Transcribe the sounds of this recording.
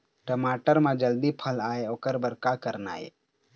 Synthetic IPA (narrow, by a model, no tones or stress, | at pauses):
ʈəmaːʈəɾmãd͡ʒəld̪ipʰəlaːeoːkəɾbəɾkakəɾna̰ːḛː